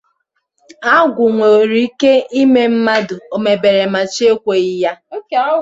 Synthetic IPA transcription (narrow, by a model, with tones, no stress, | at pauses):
a˦ɡʷʊ˨ŋʷo˨ɾi˦i˦ke˦i˦me˦m̩˦ma˦dʊ˨o˨me˨be˨ɾe˨ma˨t͡ʃe˦kʷe˨i˦ja˦˨